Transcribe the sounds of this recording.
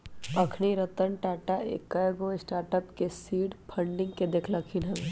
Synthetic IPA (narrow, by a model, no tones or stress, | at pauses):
ɐkʰniɾət̪ənʈɛːʈaḛkːajɡõɪsʈaːɾʈəpkesiːɖpʰə̃ɳɖɪ̃ŋɡked̪eːkʰlakʰinɦɛ̃